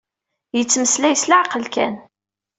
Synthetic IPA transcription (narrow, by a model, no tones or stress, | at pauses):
jət͡sːməslæjəslaʕqəlkæ̰n